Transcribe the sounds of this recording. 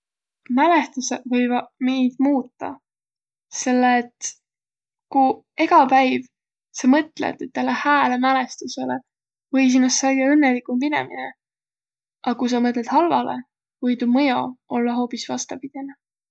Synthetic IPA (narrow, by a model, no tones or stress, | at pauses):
mæle̞st̪usevɤjvɑmiːd̪̥muːt̪ːɑ̰ | se̞lːeːt̪ː | ku | e̞ɡɑpæjv | sɑmɤt̪ːˑlḛd̪̥et̪ːælːehæːlemælest̪usele | vɤjs̬inːɑst̪sɑjɡeɤnːelikumpinḛmḭne | ʔɑkujs̬ɑmɤt̪̬ˑled̪̥hɑlvɑ̰lḛ | vɤjt̪umɤjoʔo̞lːɑɦo̞ːpisvɑst̪ɑpid̪̥enɑ